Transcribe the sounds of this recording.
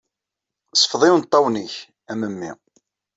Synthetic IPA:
sə̥fðˤiwnt̪ˤːɑwniç | æməmːḭ

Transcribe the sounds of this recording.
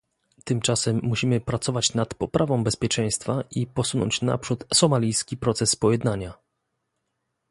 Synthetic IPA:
t̪ɘmt͡ʂasɛmːuɕimɘpɾat̪sɔvat͡ɕnat̪pɔpɾʔavɔ̃w̃bɛspʲjɛt͡ʂɛ̃j̃st̪faʔipɔsunɔ̰ɲt͡ɕna̰pʂut̪sɔmalʲijskʲipɾɔt̪sɛsːpɔjɛd̪naɲa

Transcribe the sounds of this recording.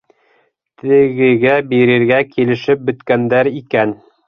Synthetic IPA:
t̪ɘ̆ɣɘ̆ɣæbiɾɘ̆ɾɡækilɘ̆ʃɘp̚bɵ̆t̪kænd̪æɾikæn

